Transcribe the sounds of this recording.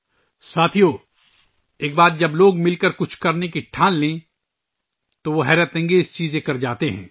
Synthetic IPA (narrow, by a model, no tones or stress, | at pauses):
saːt̪ʰijoː | eːk̚baːt̪̚d͡ʒɐbloːɡmɪlkəɾkʊt͡ʃʰkɐɾnekiʈʰaːnlẽː | t̪oʋoɦɛːɾət̪ɛ̃ːŋɡeɪst͡ʃiːzẽkɐɾd͡ʒaːt̪eɦɛ̰̃ː